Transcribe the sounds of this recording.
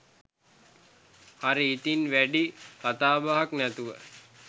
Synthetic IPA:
haɾiit̪inʋæɖikat̪aːbaɦaknæt̪uʋə̰

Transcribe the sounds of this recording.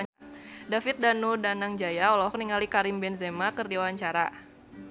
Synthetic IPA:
dafɪt̪̚danudanaŋd͡ʒajaɔlɔkniŋalikaɾimbɛnzemakərdiawaɲt͡ʃaɾa

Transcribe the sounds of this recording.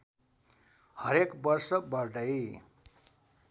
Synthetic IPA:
hʌɾekbʌrsʌbʌrɖʌj

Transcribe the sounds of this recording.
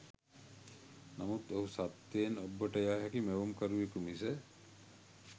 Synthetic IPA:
namut̪oɦusat̪ːeːnɔbːɔʈajaɦakimewumkaɾuekumise

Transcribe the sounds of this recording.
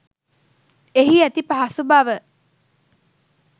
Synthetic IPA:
eɦiæt̪ipaɦasubaʋə

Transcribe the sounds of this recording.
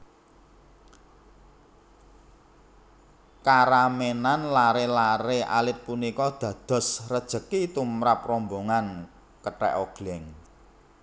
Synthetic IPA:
kaɾamenanlaɾelaɾeʔa̰lɪt̪̚punikɔd̪̥ä̤d̪̥ɔ̤srəd̥ʒ̥ə̤kit̪umɾapromboŋan | kəʈɛ̰ʔoɡ̥lɛŋ

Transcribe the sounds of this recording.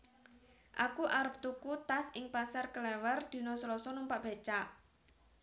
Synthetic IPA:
ʔakuʔaɾəp̚t̪ukut̪asɪŋpasarkəlɛwərd̪̥i̤nɔslɔsɔnumpaʔb̥a̤t͡ʃa

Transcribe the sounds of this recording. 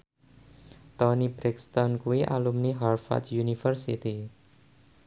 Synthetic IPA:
t̪ɔnibɾikst̪ɔnkuiʔa̰lumniɦarfa̰t͡ʃjunifərsḭt̪i

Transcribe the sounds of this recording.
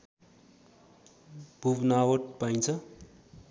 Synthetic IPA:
b̥ʱubnawʌʈ̚pajnt͡sʰʌ

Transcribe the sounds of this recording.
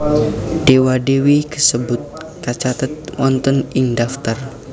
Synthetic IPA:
d̥ewadewikəsəbʊt̪̚ | kat͡ʃat̪ət̪̚wɔnt̪ɔnɪŋdaft̪ər

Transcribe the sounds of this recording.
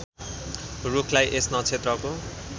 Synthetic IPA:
rukʰlajʔesnʌt͡sʰet̪rʌko

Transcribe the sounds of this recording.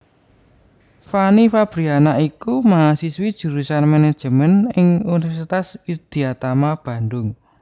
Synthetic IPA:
fanifab̥ɾianaʔikumaasiswid̥ʒ̥ṳɾusanmened̥ʒ̥ə̤mənɪŋunifɛɾsit̪aswid̪̥i̤at̪amab̥ä̤ndʊŋ

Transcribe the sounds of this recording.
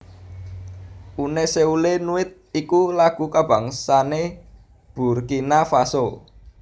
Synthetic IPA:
ʔuneseulenuɪt̪̚ikulaɡ̥ṳkab̥a̤ŋsane | b̥ṳrkinafaso

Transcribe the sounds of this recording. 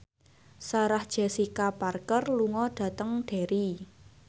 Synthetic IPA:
saɾahd̥ʒ̥a̤sikaparkərluŋɔɖ̥ä̤t̪əŋɖ̥a̤ɾi

